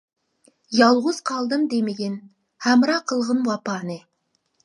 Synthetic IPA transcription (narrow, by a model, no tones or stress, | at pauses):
jɑlˠʁʊz̥qʰɑlˠd̪ɨmd̪emɪɡʲen | hæmɾɑqʰəlˠʁənwɑpɑːnɨ